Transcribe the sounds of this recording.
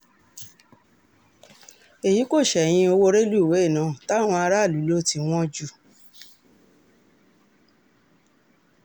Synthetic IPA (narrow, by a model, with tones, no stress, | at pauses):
e˨ji˨˦ko˦˨ʃɛ˨j̃ĩ˧o˧wo˦˧ɾe˦lu˦˨we˨˦e˦˨nã˨˦˨ta˦˨w̃ɔ̃˧a˧ɾa˦˨lu˨˦lo˦˨ti˧w̃ɔ̃˦d͡ʒu˦˨